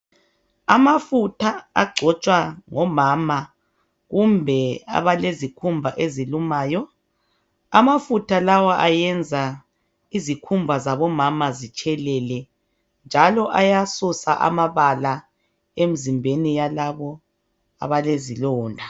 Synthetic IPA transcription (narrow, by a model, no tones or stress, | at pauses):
amafutʰa̰ːɡ͡ǀʱɔt͡ʃʼwaŋɔmaːma | ɣumbʱɛa̰βalezikʰumbʱaʔezilumaːjɔ | amafutʰalawaʔajɛnd͡zʱa | izikʰumbʱazaβɔmamazit͡ʃʼɛlɛlɛ | nd͡ʒʱalɔʔajasusa̰ʔa̰maβala | em̩zimbʱenijalaβɔ | a̰βalezilɔːndʱa